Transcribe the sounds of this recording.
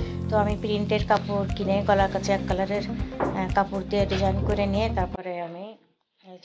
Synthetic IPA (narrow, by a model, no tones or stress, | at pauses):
t̪oamipɾiɳʈeɾkapuɾkinekɔlaɾkat͡ɕʰeɛkːalaɾeɾkapuɾd̪ieɾid͡ʑʱankoɾenijet̪aɾpɔɾeami